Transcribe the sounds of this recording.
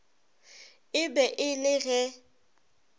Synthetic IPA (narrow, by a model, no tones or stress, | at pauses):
ɪbɛʔɪlɪɣɛ